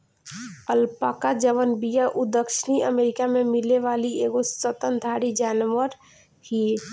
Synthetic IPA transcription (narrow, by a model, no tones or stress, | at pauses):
əlpakad͡ʒəʋənbijaʔud̪əkʃniəmeɾikamemileʋalieɡosət̪ənd̪ʱaɾid͡ʒanʋəɾ | hi